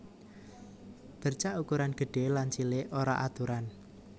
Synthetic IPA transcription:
b̥ə̤rt͡ʃaʔukuɾanɡ̥ə̤ɖ̥e̤lant͡ʃileʔoɾa̰ʔat̪uɾan

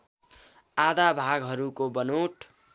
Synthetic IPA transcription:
ad̪abʱaɡɦʌɾukobʌnoʈ

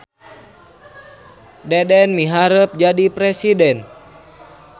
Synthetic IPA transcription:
dɛdɛnmiɦaɾəp̚d͡ʒadipɾɛsidɛn

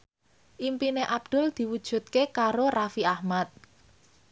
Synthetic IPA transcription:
ʔimpineʔab̥̚d̪̥ʊ̤ld̪̥i̤wud̥ʒ̥ṳt̪̚kekaɾorafiahmat̪̚

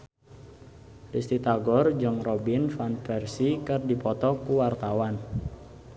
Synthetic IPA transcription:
dist̪it̪aɡɔrd͡ʒɨŋrɔbinfanfɛrsikɨrdipɔt̪ɔkuwart̪awan

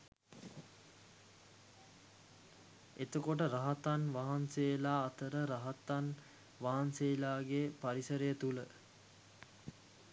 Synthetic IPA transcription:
et̪əkoʈ̬əɾaɦat̪anʋaɦanseːlaːt̪əɾəɾaɦat̪an | ʋaɦanseːlaːɡepaɾisəɾəjət̪ulə

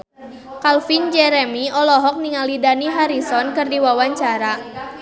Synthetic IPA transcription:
kalfind͡ʒɛɾɛmiɔlɔɦɔk̚niŋalidaniɦaɾisɔnkɨrdiwawaɲt͡ʃaɾa

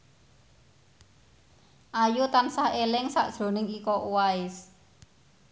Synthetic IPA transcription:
ʔajut̪ansahelɪŋsa̰ʔd̥ʒ̥ɾo̤nɪŋikɔʔuwaɪs

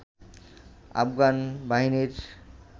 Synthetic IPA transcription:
a̰bɡanbaɦiniɾ

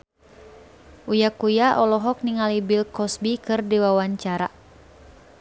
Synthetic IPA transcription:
ʔujakujaʔɔlɔɦɔk̚niŋalibilkɔsbikɨrdiwawaɲt͡ʃaɾa̰

